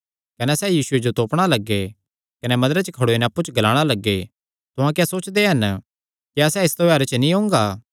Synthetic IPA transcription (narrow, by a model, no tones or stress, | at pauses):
kɐnɛsɛjiːsʊed͡ʒot̪oːpɽ̃alɐɡːe | kɐnɛmɐ̃d̪ɾet͡ʃəkʰɐɽoenɛpːut͡ʃɡɐlaːɽ̃alɐɡːe | t̪ʊɦãkjasoːt͡ʃd̪eɦɐn | kiɐsɛɪst̪obɛːɾet͡ʃnĩɦõːŋ̆ɡaː